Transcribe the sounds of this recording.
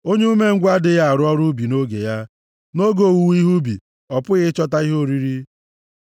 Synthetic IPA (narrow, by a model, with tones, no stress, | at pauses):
o˦ɲe˦u˦me˦ŋ̩˦ɡʷa˦dɪ˨ɣa˦a˨ɾʊ˦ɔ˦ɾʊ˦bi˨no˦ɡe˨ja˦ | no˦ɡo˨wu˨wi˦ɦu˦bḭ˨ | ɔ˨pʊ˦ɣɪ˦t͡ʃɔ˦ta˦i˦ɦo˦˨ɾi˦ɾi˦